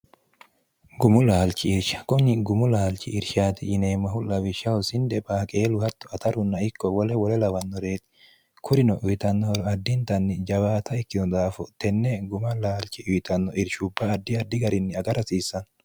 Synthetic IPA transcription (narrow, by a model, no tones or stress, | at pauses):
ɡʊmʊlaːlt͡ʃɪɪɾʃɐ̥kɔɲːɪɡʊmʊlaːlt͡ʃːɪɪɾʃaːt̪ɪjɪneːmːɐhʊlɐwɪʃɐwɔsɪnd̪ɛbaːkʼeːlʊhɐt̪ːɔ̥ɐt̪ɐɾʊnːɐɪkːɔwɔlɛwɔlɛlɐwɐnːɔɾe̞ːt̪ɪ̥ | kʰʊɾɪnɔʔʊjɪt̪ɐnːɔɾɔɐd̪ːɪnt̪ɐnːɪd͡ʒɐbaːt̪ɐɛkːɪɔd̪aːfɔt̪ɛnːɛɡʊmɐlaːlt͡ʃɪʔʊjɪt̪ɐnːɔʔɪɾʃʊbːɐːd̪ːɪɐd̪ːɪɡɐɾɪnːɪɐɡɐɾɐsiːsːɐn